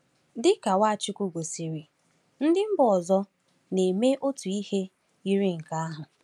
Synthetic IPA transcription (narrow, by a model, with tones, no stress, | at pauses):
dɪ˦ka˨wa˦a˨t͡ʃi˦kʷu˦ɡʷo˨si˨ɾi˨ | n̩˦dɪ˦m̩˦bʊ˨ɔ˨zɔ˦ | ne˨me˦ʔo˦tu˨i˦he˦ | i˦ɾi˦ŋ̩˨ka˦a˦ɦʊ˨